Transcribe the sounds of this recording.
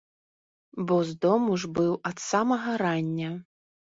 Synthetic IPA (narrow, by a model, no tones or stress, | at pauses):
bɔzd̪ɔmuʐbɨwɐt̪samɐɣɐɾanʲːɐ